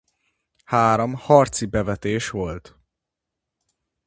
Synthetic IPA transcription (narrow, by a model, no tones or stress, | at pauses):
haːɾomhɒrt̪sibɛvɛt̪eːʃʋo̞lt̪